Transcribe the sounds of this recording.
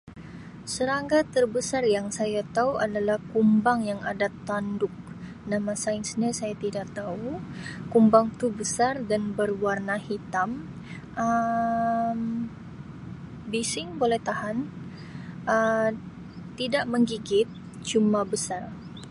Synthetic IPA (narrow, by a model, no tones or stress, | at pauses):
səɾaŋɡat̪ərbəsarjaŋsajat̪auʔadalahkumbaŋjaŋa̰dat̪andʊk̚ | namasaɪnsɲasajat̪idakt̪aukumbaŋt̪ubəsardanbərwarnahit̪am | ʔə | m | bisɪŋbolɛht̪ahan | ə | t̪idaʔməŋɡiɡɪt̪̚ | t͡ʃumabəsar